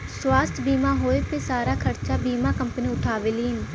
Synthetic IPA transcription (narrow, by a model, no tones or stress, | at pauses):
swaːst̪ʰbiːmãːɦoːeːpeːsaːɾaːkʰəɾt͡ʃaːbiːmaːkəmpniːʊʈʰaːʋeːliːn